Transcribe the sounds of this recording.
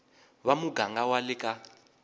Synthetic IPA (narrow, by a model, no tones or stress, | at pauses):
βamuɡaŋɡawalɪkʼa